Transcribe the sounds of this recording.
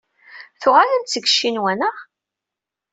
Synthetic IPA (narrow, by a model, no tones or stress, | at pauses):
θʊʁalənt͡sːəɡə̥ʃːinwænəʁ